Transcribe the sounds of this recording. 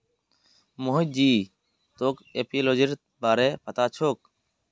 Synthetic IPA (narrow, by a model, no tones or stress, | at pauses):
moːɦɪd͡ʒiː | t̪oːkeːpiːloːd͡ʒəɾ | baːɾeːpət̪aːt͡ʃʰoːk